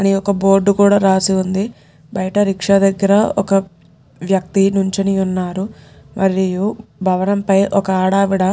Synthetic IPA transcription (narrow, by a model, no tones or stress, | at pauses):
ɐniɔkɐbo̞ːɾɖukuːɽaːɾaːsiund̪i | bɐjɐʈɐɾikʂɐd̪ɐɡːɐɾɐɔkɐ | ʋjɐk̚t̪inuɲt͡ʃiniunːaːɾu | mʔɐɾijubʱɐʋɐnɐmpɐjʔɔkɐaːɽaːʋiɽɐ